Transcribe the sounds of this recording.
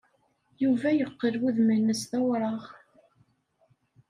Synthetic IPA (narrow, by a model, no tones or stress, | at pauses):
juvæjəqːəlwuðmənːəsθæwɾˤɑʁ